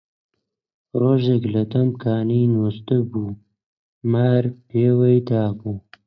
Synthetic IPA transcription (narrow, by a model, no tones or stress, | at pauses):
ɾoːʒeklɐt̪ɐmkʰaːninoːst̪əbuː | maɾpeːwɐjd̪ɑːbuː